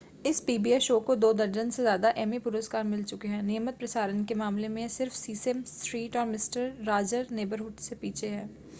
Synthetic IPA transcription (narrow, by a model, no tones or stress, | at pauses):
ɪspiːbiːeʃoːkod̪oːd̪ɐɾd͡ʒənsezjaːd̪aʔɛːmipʊɾəskaːɾmɪlt͡ʃʊkeɦɛ̃ːnɪjəmət̪̚pɾɐsaːɾənkemaːmlemẽsɪɾfsiːsɛmsʈɾiːʈɔːɾmɪsʈəɾːaːd͡ʒəɾneːbəɾɦuːʈsepiːt͡ʃʰeɦɛ̃ː